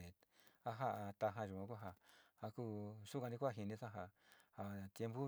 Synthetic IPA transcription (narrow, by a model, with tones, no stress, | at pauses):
e˨a˦ɦa˦˧ʔa˧t̪a˧ɦã˧ʒu˨ã˧ku˦ɦa˧a˧ku˦ʂu˦kã˧nĩ˦˧kʷːɦi˧nĩ˧sã˦ɦa˧ha˨t̪je˧˦mbu˦